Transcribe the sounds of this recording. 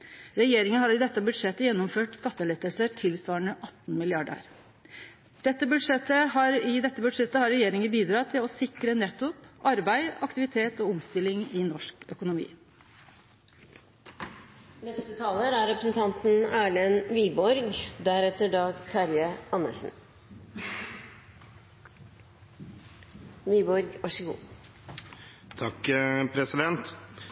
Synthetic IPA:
ɾɛjeːɾɪŋənhɑd̪ɪd̪ɛt̪ːəbʉd̪ʂɛt̪ːəjɛnːɔmføːʈskɑt̪ːəlɛt̪ːəlsəʈʰɪlsʋɑːəɳəʔɑt̪ːnmɪlɪɑɖə̰ɾ | d̪̥ɛt̪ːəbʉd̪ʂɛt̪ːəhɑɾɪd̪ɛt̪ːəbʉd̪ʂɛt̪ːəhɑɾɛjeːɾɪŋəbiːd̪ɾɑt̪ʰɪlɔsɪkɾənɛt̪ːʊpʔɑɾbæɪɑkt̪ɪʋɪt̪ʰeːt̪ɔʊmst̪ɪlɪŋɪnɔʂkœkʊnʊmḭː | nɛst̪ət̪ʰɑːləɾæɾɛpɾəsn̩t̪ʰɑnt̪n̩æːɭɛnʋiːbɔɾɡd̪æɾɛt̪əɖɑːɡt̪ʰɑɾjəɑnːə̰ʂn̩ | ʋiːbɔɾɡʋɑʂəɡṵː | t̪ʰɑkːpʰɾɛsɪd̪ɛnt̪

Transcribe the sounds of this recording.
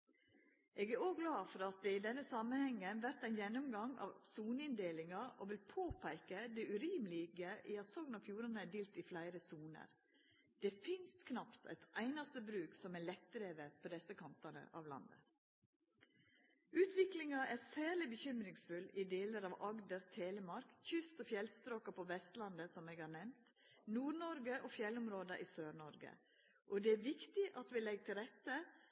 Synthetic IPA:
ʔeːɡæɾoːɡɡlɑːfɔɾɑt̪̚d̪ɛɪd̪ɛnːəsɑmənhɛŋːənʋæɾt̪æɪnjɛnːɔmɡɑŋɑ̰ːʋsuːnəɪnd̪eːlɪŋɑoːʋɪlpʰoːpʰæɪkəd̪ɛʉɾiːmlɪɡəʔɪɑt̪sɔŋnɑfjuːɾɑnəæd̪eːlt̪ɪflæɪɾəsuːnə̰ɾ | d̪̥ɛfɪnst̪kʰnɑpt̪ʰæ̰ɪt̪ʔæɪnɑst̪əbɾʉːksɔmælɛt̪̚ːɾeːʋəɾpʰoːd̪ɛsəkʰɑnt̪ɑnə̰ʔɑ̰ʋlɑ̰nd̪ə̰ | ʉːt̪ʰʋɪklɪŋɑʔæsæːɭɪbəçʏmɾɪŋsfʉlɪd̪eːləɾɑʋɑɡd̪əɾt̪ʰeːləmɑɾkçʏst̪ɔfjɛlst̪ɾoːkɑpʰɔʋɛst̪lɑnd̪əsɔmeːɡhɑːɳnɛmt̪ | nuːɾɳɔɾɡəʔoːfjɛlːʊmɾoːd̪əʔiːsøːɾɳɔɾɡə̰ | ʔɔd̪ɛæːʋɪkt̪ɪʔɑt̪ʋɪlɛɡ̚t̪ʰɪlɾɛt̪ːə

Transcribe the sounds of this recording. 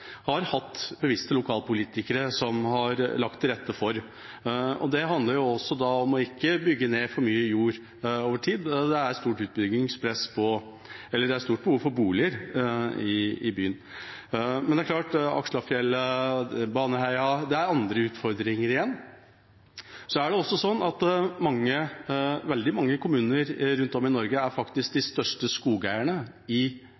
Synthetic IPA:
hɑɾhɑt̪ːbəʋɪst̪əlʊkʰɑːlpʊliːt̪ɪkəɾəsɔmhɑɾlɑkt̪ʰːɪlɾɛt̪ʰːəfɔɾ | ɔ̰d̪ɛɦɑnd̪əɾjʊɔsːɔd̪ɑɔmɔɪkːəbʏɡːəneːfɔɾmyːəjuːɾ | oːʋəʈʰiːd̪d̪ɛæɾst̪uːʈʉːt̪̚bʏɡɪŋspʰɾɛspʰɔ | ɛlːəɖɛæɾst̪uːʈ̚bəhuːʋfɔɾbuːlɪəɾɪɪby̰ːən | mɛnd̪ɛæɾklɑːʈɑ̰kʂɭɑfjɛləbɑːnəɦæɪɑd̪ɛæɾɑnd̪ɾəʉːt̪fɔɾd̪ɾɪŋəɾɪjɛnː | sɔæɖɛɔsːɔsɔnːɑt̪mɑŋːəʋɛld̪ɪmɑŋːəkʰʊmʉːnəɾɾʉnt̪ɔmɪnɔɾɡəæɾfɑkt̪ɪsk̚d̪ɪst̪œʂʈəskuːɡæɪəɳə | ɪ

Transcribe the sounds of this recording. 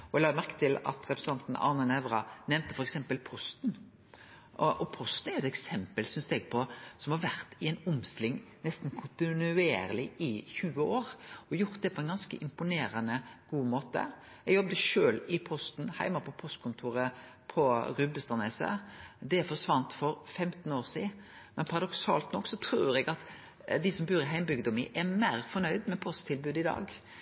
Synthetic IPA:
ɔɛɡlɑːɡmæɾkə̥t̪ʰɪlɑ̰t̪ɾɛpɾəsəɑnt̪n̩ʔɑ̰ɾnɑnɛʋɾɑnɛmnt̪əfɔɾɛksɛmpəlpʰɔst̪n | ʔɔʔɔpʰɔst̪n̩æɾjʊɛt̪ɛksɛmpəlsʏnsɛɡpʰɔsɔmhɑɾʋæɾt̪ɪɛɪnʊmst̪lɪŋːnɛst̪n̩kʰʊnt̪ɪnʉeːɾəlɪɪçʉːəoːɾɔjʊɾt̪̚d̪ɛpʰɔɛnɡɑnskəʔɪmpʊneːɾɑnəɡ̥uːmoːt̪ə̰ | ɛɡjɔbd̪əʃøːlɪpʰɔst̪n̩hæ̰ɪmɑpʰɔpʰɔst̪̚kʰʊnt̪ʰuːɾə | pʰɔɾʉbəst̪ɑneːsə̰d̪ɛfɔʂʋɑnt̪fɔɾfɛmt̪n̩oːɾsiːmɛnpʰɑɾɑd̪ɔksɑ̰ːlt̪nɔkːsɔt̪ʰɾuːɾɛɡɑt̪ | d̪ɪsɔmbʉːɾɪɦæɪmbʏɡd̪ʊmɪʔɛmeːɾfɔɾnœʏd̪mɛpʰɔst̪ʰɪlbʉːd̪ɪd̪ɑ̰ːɡ

